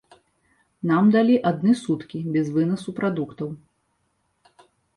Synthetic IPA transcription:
namd̪alʲiʔad̪̚nɨsut̪kʲibʲɛzvɨnɐsupɾad̪ukt̪ɐw

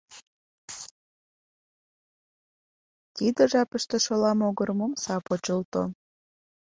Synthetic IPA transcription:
t̪id̪əʒɑpəʃt̪eʃolɑmoɣəɾmomsɑpot͡ɕəlt̪o̰

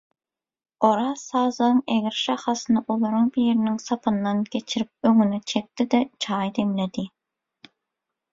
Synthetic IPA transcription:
oɾɑsɑːzɑnɯŋeɡʲɪɾʃɑχɑsɨnɑʔolˠɑɾuŋbijɾinɪŋsɑpʰɯnːɑnkʲet͡ʃʰiɾip̚øŋynɛt͡ʃʰek̚t̪ɪd̪ɛt͡ʃʰɑːjd̪emled̪i

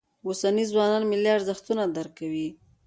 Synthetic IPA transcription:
osanizwɑnɑnmɪliaɾzaxt̪unad̪aɾkawi

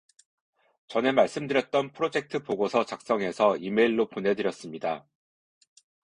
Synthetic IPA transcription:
t͡ɕʌne̞maɭs͈ɯmdɯɾjʌt̚t͈ʌnpʰɯɾod͡ʑe̞k̚tʰɯpoɡosʰʌt͡ɕak̚s͈ʌŋe̞sʰʌime̞iɭːoponɦe̞dɯɾjʌs͈ɯmɲida

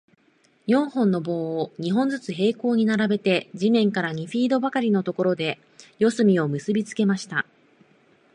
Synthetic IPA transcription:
jõ̞ɰ̃hõ̞nːo̞bo̞ːoɲ̟iɦõ̞nd͡zɨt͡sɨɦe̞ːko̞ːɲ̟inaɾabe̞t̪e̞d͡ʑimẽ̞ŋkaɾaɲ̟iɸʲiːd̪o̞bakaɾʲino̞t̪o̞ko̞ɾo̞d̪e̞ | jo̞sɨmʲio̞mɯ̟sɨbʲit͡sɨ̥ke̞maɕi̥t̪a̰

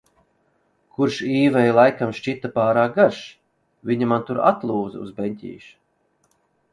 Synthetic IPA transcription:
kʰuɾʃiːvɛjlˠajkamʃt͡ʃit̪apaːɾaːk̚ɡaɾʃi̥ | viɲamant̪uɾa̰t̪lˠuːd̪z̰ṵzbenʲt̪ʲḭːʃ

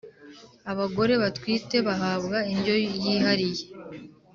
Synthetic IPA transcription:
aβaɡo̞ɾe̞βatwiːte̞βaɦaːβɡaiɲɟo̞jiːɦaɾije

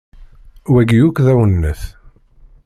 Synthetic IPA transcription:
wæɡjukðæwənːəθ

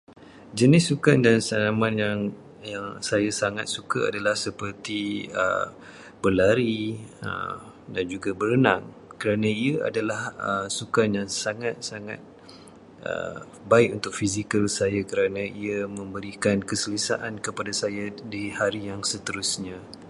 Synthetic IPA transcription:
d͡ʒənɪsːukandansanamãnjaŋ | jaŋsajasaŋat̪̚sukaa̰dalahsəpərt̪iə̰ | b̥əlaɾiə̰ | dand͡ʒuɡabəɾənaŋ | kəɾanãiaa̰dalahəsukanjaŋsaŋat̪̚saŋat̪̚ | ʔə̰ | baɪkunt̪ʊk̚fizikəlsajakəɾanãiamə̃mbəɾikankəsəlisa̰ʔankəpadasajadihaɾijaŋsət̪əɾusɲã

